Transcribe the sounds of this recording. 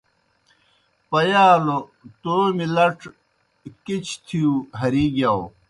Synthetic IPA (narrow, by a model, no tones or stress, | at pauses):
pɐjaːlot̪omilɐʈ͡ʂʰ | kit͡ɕʰt̪ʰiuɦɐɾiːɡjaw